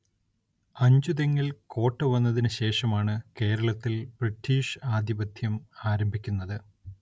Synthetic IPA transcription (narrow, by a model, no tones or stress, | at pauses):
ɐɲd͡ʑuðeŋːilko̞ːʈːɐʋɐnːɐðinɨɕe̞ːʂɐmaːɳɨke̞ːɾɐɭɐt̪ːilb̥riʈːiːʂaːd̪ʱibɐd̪ʱjɐmaːɾɐmbʱikʲːunːɐðɨ